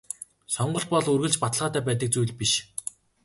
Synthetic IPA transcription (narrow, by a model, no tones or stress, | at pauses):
sɔɴɢɞ̆ɬt̪̚pɔɮɵrɣɘ̆ɮt͡ɕpat̪ə̆ɮʁaːt̪æːpæːt̪̬ə̆k̚t͡sujɮpiʃ